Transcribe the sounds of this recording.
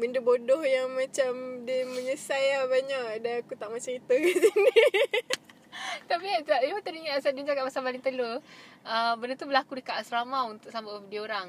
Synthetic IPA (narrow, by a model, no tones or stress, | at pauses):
bəndəbodɔhjaŋmãt͡ʃamdiməɲəsajabaɲaʔdanakut̪aʔmat͡ʃəɾit̪əɡisini | t̪aʔbiasaʔimat̪əɾiŋasaʔdind͡ʒakaʔ̚pasabaliŋt̪əloəbənət̪ubəlakudəkaʔasɾamaunt̪ʊk̚sambadioɾaŋ